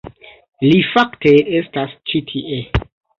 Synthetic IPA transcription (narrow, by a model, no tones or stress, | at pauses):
lifakteestast͡ʃitʰiʔe